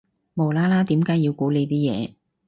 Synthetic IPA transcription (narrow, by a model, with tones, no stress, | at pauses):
mo˨wlaː˥laː˥t̪iː˨˥mkaː˨˥jiː˧wkuː˨˥le˨˧jt̪iː˥jɛ̰ː˨˧